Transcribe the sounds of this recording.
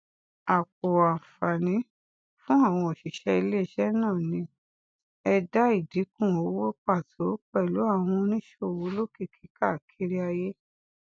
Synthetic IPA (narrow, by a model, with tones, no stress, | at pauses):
a˨k͡po˨a˨fa˨nĩ˨˦ | fũ˦a˦˨w̃ɔ̃˧ɔ˨ʃi˨ʃɛ˧i˧le˦˨ʃɛ˦nãː˦˨nĩ˧ | ɛ˧da˦i˦˨di˨˦kũ˦˨o˨˦wo˦k͡pa˦˨tʰo˨˦k͡pɛ˦˨lu˨˦a˦˨w̃ɔ̃˧nĩ˦ʃo˦˨wo˨˦lo˦ki˦˨kʰi˨˦ka˦˨kʰi˧˦ɾi˦a˧je˦